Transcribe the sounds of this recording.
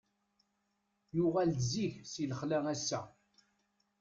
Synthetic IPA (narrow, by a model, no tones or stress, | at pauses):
jʊʁælziçsiləχlæŋæsːæ